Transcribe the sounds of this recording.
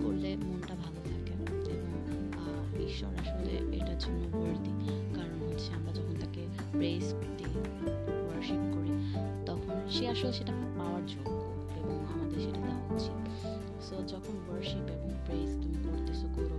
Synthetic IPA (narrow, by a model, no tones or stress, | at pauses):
koɾlemonʈabʱalot̪ʰake | eboŋ | bikʃo̰ɾaʃolḛḛʈad͡ʑunːobəɾd̪ikaɾonɦotːt͡ɕʰeamɾad͡ʑɔkʰont̪ake | pɾeskoɾt̪i | bəɾʃiŋkoɾit̪ɔkʰonʃeaʃoleʃeʈapaoaɾd͡ʑonːo | eboŋamad̪eɾʃeʈadaɦotːɕʰe | sod͡ʑɔkʰonbəɾʃimeboŋpɾejst̪umikoɾt̪isukoɾo